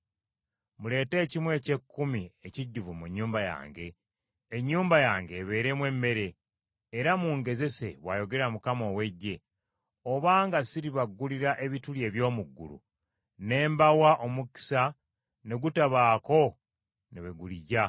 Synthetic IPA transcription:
mule̞ːte̞ːcimwe̞ːce̞kːumie̞ciɟːuvumuɲːuːmbaja̰ːŋɡe̞ː | ɲːuːmbajaːŋɡe̞βe̞ːɾe̞mwe̞me̞ɾe̞ː | ɾamuŋɡe̞ze̞se̞̰βwa̰ːjo̞ɡe̞ɾamukamo̞ːwe̞ɟːe̞ | oβaːŋɡasiɾiβaɡːuliɾaʔe̞βitulje̞ːβjo̞ːmuɡːṵlṵ | ne̞ːmbawaʔo̞muki̥sa | neɡutaβaːko̞ | neβeɡuliɟa

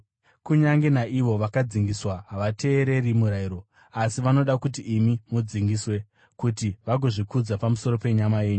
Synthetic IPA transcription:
kuɲaŋɡe̞naʔiʋo̞ʋakad͡ziŋɡiswaɦaʋate̞ːɾe̞rimuɾaiɾo̞ | asiʋano̞ɗakut̬iːmimud͡ziŋɡiswe̞ | kutiʋaɡʱoʐikud͡zapamuso̞ɾo̞pe̞ɲamaje̞ːɲu

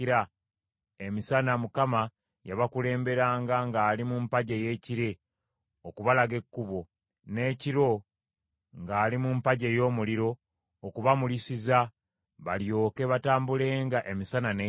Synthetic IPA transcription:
iɾa | e̞misanamukama | jaβakule̞ːmbe̞ɾaːŋɡaŋɡaːlimumpaɟeje̞ːciɾe̞ | okuβalaɡe̞kːuβo̞ | ne̞ːciɾo̞ | ŋɡaːlimumpaɟe̞jo̞ːmuliɾo̞ː | kuβamulisiza | βaljo̞ːkeβataːmbule̞ːŋɡaʔe̞misanane

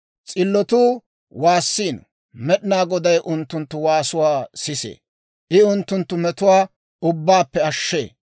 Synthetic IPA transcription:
t͡sʼɪlːɔt̪uː | waːsːiːn | mɛɗɪnaːɡɔd̪ɐjʔʊnt̪ːʊnt̪ːʊwaːsʊwaːsɪsḛː | ʔɪʊnt̪ːʊnt̪ːʊmɛt̪ʊwaː | ʊbːaːpːɛɐʃːḛː

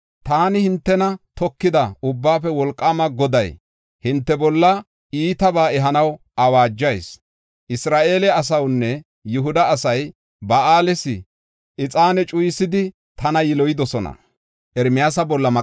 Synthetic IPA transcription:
t̪aːnɪhɪnt̪ːɛnɐt̪ɔkːɪd̪ɐʊbːaːfɛwɔlkʼːaːmɐɡɔd̪ɐj | hɪnt̪ːɛbɔlːɐ | iːt̪ɐbaːɛɦɐnɐw | ɐwaːd͡ʒːɐjs | ʔɪsɾaːʔe̞ːlɛɐs̬ɐwnːɛ | jɪɦʊd̪ɐːsɐj | bɐaːlɛsɪ | ʔɪt͡sʼaːnɛt͡ʃʼʊjɪsɪd̪ɪ | t̪ɐnɐjɪlɔjɪd̪ɔsɔnɐ̰ | ʔɛɾmɪjas̬ɐbɔlːɐmɐ

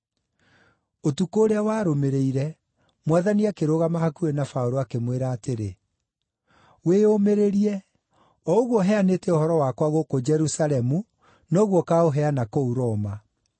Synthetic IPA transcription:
otukoːɾeawaːɾomeɾeiɾɛ | mwaðaniakeɾoɣamahakuɾenafaoɾoakemweɾaːteɾe | weomeɾeɾiɛ | ɔoɣwɔɦɛanetɛohɔɾɔwakwaɣokod͡ʒɛɾusalɛmu | nɔɣwɔkaoɦɛanakouɾɔma

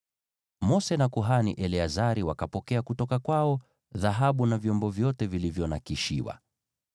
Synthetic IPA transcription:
mɔsɛnakuɦaniʔɛliazaɾiwakapɔkɛakutɔkakwaɔ | ðaɦaɓunavjɔmbɔvjɔtɛvilivjɔnakiʃḭwa̰

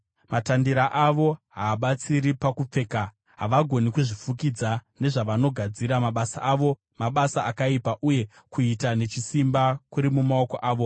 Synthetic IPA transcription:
matandiɾaʔaʋo̞ɦaːɓat͡siɾipakup͡fe̞ːka | ɦa̰ʋaɡʱo̞nikuʐifukid͡zane̞ʐaʋano̞ɡʱad͡ziɾamaɓasaʔaːʋo̞ | maɓasaakaipaʔuje̞ | kuitane̞t͡ʃisimbakuɾimumao̞koʔaːʋo̞

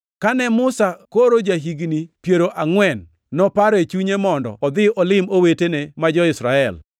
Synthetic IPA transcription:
kanɛmʊsakoɾod͡ʒaɦiɡnipjeɾoʔaŋwɛnː | ɔpaɾɛt͡ʃuɲemɔndɔ̰ʔɔd̪ɪʔɔlɪmowetenemad͡ʒɔɪsɾaɛl

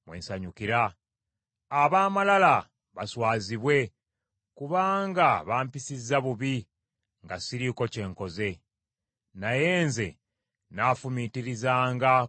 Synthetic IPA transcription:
mwe̞̰ːnsaɲukiɾaː | βaːmalala | βaswaːziβwe̞ | kuβaːŋɡaβaːmpisizːaβuβi | ŋɡasiɾiko̞ce̞ːŋko̞ze̞ | naje̞ːnze̞ | naːfumitiɾizaːŋɡa

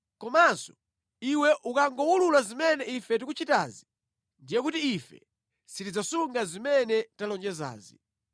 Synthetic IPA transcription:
kɔmansɔ̥ | iwɛʔukaŋɡɔwululazimɛnɛifɛtikut͡ʃita̰ːzi | ndijɛk̬utiːfɛ̰ | sitid͡zasuŋɡazimɛnɛtalɔnd͡ʒɛza̰ːzi

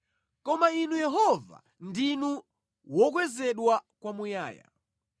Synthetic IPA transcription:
kɔmainujɛɦɔva̰ | ndinu | wɔk̬wɛzɛɗwakwamuja̰ːja̰

